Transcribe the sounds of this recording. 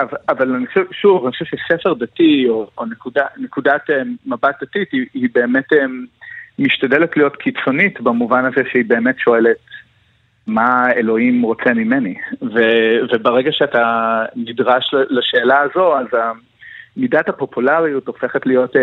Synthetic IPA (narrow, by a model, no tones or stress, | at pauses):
avaavalaniχaʃɛvʃuvanixχoʃeɛvʃesefeʁdatioonekudanekudatmabat̚d̥atitiibe̞ːmete | miʃtadeletlijo̞tkʰit͡so̞nitbamuvanazeʃeibe̞ːmetʃo̞e̞le̞t̚ | maelo̞imʁo̞t͡semime̞nivevebeʁeɡaʃeatanidʁaʃlalaʃe̞ːlaːzo̞aza | midathapo̞pulaʁijuto̞feχetlijo̞t